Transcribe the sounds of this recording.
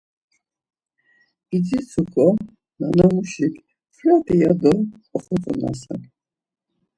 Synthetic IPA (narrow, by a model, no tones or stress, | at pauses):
izisʰukʰɔ | nanamuʃi | pʰɾat̪ʼiad̪ɔkʼɔχɔt̪ʼɔna̰sa̰